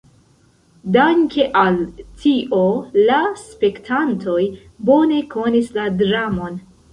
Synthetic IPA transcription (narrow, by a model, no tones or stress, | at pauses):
daŋkʰe̞ʔaltʰiʔo̞laspe̞ktʰantʰo̞j | bo̞ne̞ko̞nisladɾamo̞n